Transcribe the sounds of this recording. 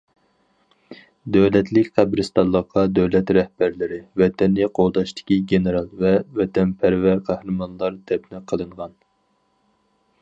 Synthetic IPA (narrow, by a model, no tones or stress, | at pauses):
d̪øwlɛt̪ʰlɪkʲqʰæbɾɨst̪ɑnlˠːəqːɑd̪øwlɛt̪ɾɛhbæɾlɪɾɪvɛt̪ʰɛnːiqʰolˠd̪ɑʃt̪ʰɪ̥kʲiɡʲenɨɾɑlˠvɛvɛt̪ʰɛnpʰæɾvæɾqʰæhɾɨmɑnlˠɑɾd̪ɛpnɪqʰəlˠɨɴʁɑn